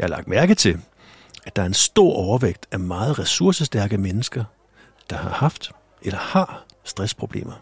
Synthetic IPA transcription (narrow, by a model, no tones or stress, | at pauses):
jɑ̈hɑ̈lɑ̈ɡ̥d̥mæɐɡ̥ð̩t͡sʰe̝l | æd̥ɑ̈æɐensd̥o̝ɐ̰ʔɒʊɐʋeɡ̥̚d̥æmɑ̈ːð̞̩ˠʁɛsuɐsəsd̥æɐɡ̥əmenəsɡ̥ɐ | d̥ɑ̈hɑ̈hɑ̈fd̥ | ʔelɐhɑ̈sd̥ʁɛspʰʁo̝b̥le̝̰ːmɐ